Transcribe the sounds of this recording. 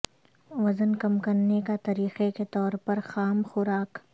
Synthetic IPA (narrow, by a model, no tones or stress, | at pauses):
ʋɐzənkɐmkɐɾnekat̪ɐɾiːqeket̪ɔːɾpɐɾxaːmxʊɾaːk